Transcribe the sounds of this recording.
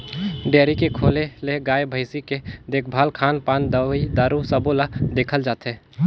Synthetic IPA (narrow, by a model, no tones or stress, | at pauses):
ɖeːɾikekʰoːleleɡaːjbʱəɪsiked̪eːk̚ʰbʱaːlkʰaːnpaːnd̪əid̪aːɾusəbolad̪eːkʰəld͡ʒaːt̪ɦeː